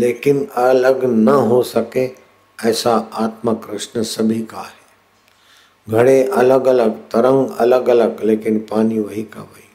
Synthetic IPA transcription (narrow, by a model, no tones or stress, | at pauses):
leːkɪnɐləɡnɐɦosɐke | ɐːsaaːt̪məkɾɪʃnəsɐbʱikaɦeː | ɡʱɐɽ̃eʔɐləɡɐləɡt̪ɐɾə̃ŋɡɐ̰ləɡɐləɡleːkɪnpaːniʋɐɦikɐ̰ʋəiː